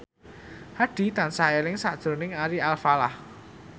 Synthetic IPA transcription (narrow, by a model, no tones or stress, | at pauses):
haɖ̥i̤t̪ansaelɪŋsad̥ʒ̥ɾo̤nɪŋaɾialfalah